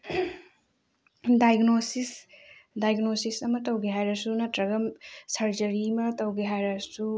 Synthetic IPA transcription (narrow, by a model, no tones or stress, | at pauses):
dajɡnosisdajɡnosisɐmɐtɐwɡeɦajɾɐsunɐtɾɐɡɐmsɐɾd͡ʒɐɾimɐtɐwɡeɦajɾɐsu